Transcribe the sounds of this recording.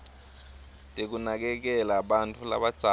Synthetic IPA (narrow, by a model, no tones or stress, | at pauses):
tʼek̬unak̬ɛk̬ɛlaɓantʼula̰ɓad̥z̥ʱa